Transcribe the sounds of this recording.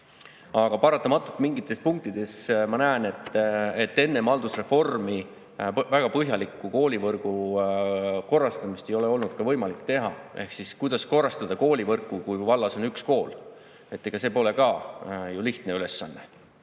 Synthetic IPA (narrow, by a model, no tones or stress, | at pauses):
ɑɡ̥ɑpɑɾɑt̪ːˑɑmɑt̪ːˑult̪miŋɡ̥it̪ːˑe̞spuŋk̚t̪id̪̥e̞smɑnæene̞t̪ːˑet̪ːe̞nːemɑld̪̥usre̞fo̞rmi | væɡ̥ɑpɤɦjɑlikːˑuko̞ːlʲivɤrɡ̥u | ko̞rːɑst̪ɑmist̪e̞jo̞le̞o̞lnud̪̥̚kɑvɤjmɑlikːˑt̪e̞ɦɑʔe̞hksiskujd̪̥ɑsko̞rːɑst̪ɑd̪̥ɑko̞ːlʲivɤrkːˑukujvɑlːɑso̞nyksko̞ːl | e̞t̪ːˑeɡ̥ɑse̞ːpo̞le̞kɑjuliht̪ne̞yle̞sːɑnːe̞